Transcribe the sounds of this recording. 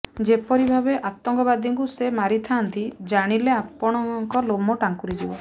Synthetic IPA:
d͡ʒepɔɾibʱabeʔat̪ɔŋkɔbad̪iŋkusemaɾit̪ʰant̪id͡ʒaɽ̃ileapɔɽ̃ɔŋkɔlomɔʈaŋkuɾid͡ʒibɔ̰

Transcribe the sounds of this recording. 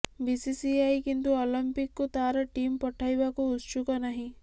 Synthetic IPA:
bisisiajkint̪uɔlimpikːut̪aɾɔʈimpɔʈʰajbakuːt̪t͡ʃukɔnaɦĩ

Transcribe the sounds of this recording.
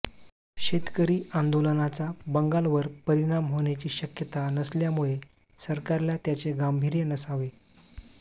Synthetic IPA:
ɕet̪kəɾiːãnd̪olənat͡sabəŋɡalʋəɾpəɾiɽ̃amɦoɳjat͡ɕiːɕəkjət̪anəsljamuɭe | səɾkaɾljat̪jat͡seɡambʱiːɾjənəsaʋe

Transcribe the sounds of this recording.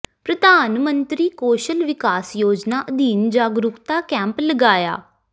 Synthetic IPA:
pɾəd̪ʱaːnmə̃nt̪ɾiːkoːʃəlʋɪkaːsjoːd͡ʒnaːʔəd̪iːnd͡ʒaːɡɾʊkt̪aːkɛ̃ːmpləɡaːja̰ː

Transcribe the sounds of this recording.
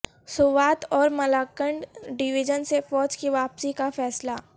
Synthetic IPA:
sʊʋaːt̪ɔːɾmɐlaːkəɳɖɖɪʋɪd͡ʒənsefɔːd͡ʒkiʋaːpsikafɛːsla

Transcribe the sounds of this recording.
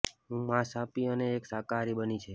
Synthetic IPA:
ɦũmãsapiəneːksakaɾibənit͡ʃʰe

